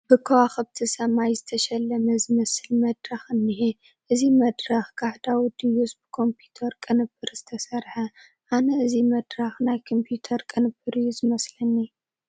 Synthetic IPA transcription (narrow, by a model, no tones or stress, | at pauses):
b̥ɨkʰɐwaxɐbt̪ʰisɐmajzɨt̪ʰɐʃɐlːɐmɐzɨmɐsɨlmɐd̪ɾaxɨnːihi | ʔɨzimɐd̪ɾɐxkʰaħd̪awid̪ijusbɨkʰo̞mpʰut̪ʰɐɾkʼɨnɨbːɨɾz̥ɨt̪ʰɐsɐɾħɐ | ʔanɐʔɨzimɐd̪ɾaxnajkʰompʰjut̪ʰɐɾkʼɨnɨbːɨɾɨjːuzɨmɐslɐnːi